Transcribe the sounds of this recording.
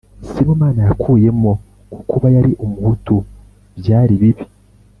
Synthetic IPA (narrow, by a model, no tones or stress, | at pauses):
simomaːnajakʰuːje̞mo | kukuβajaɾiʔumuhutu | bjaːɾiβiβi